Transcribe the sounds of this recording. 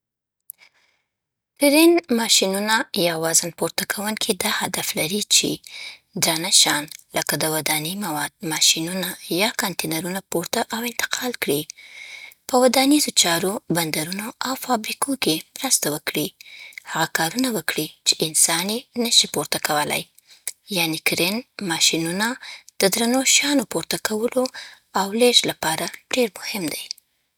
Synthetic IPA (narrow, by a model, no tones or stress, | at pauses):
pɪɾinmɑʃinunajɑwɑzanpoɾt̪akʰawuŋkʰid̪ɑhad̪aflaɾit͡ʃḛd̪ɾɑnaʃɑnləkad̪əwad̪animawɑd̪̥̚mɑʃinunajɑkɑnt̪enaɾunapoɾt̪aʔawɪnt̪ɪ̥qʰɑlkɽi | pəwad̪anizot͡ʃɑɾoband̪aɾunoawfɑbɾikokemɾəst̪awəkɽihaɣakɑɾunawəkɽit͡ʃeʔɪnsɑnenəʃipoɾt̪akawəla̰j | jɑnikɾenmɑʃinunad̪̥əd̪ɾanoʃɑnopoɾt̪akawəlo | awleʃlapɑɾaɖ̥eɾmʊhɪmd̪aj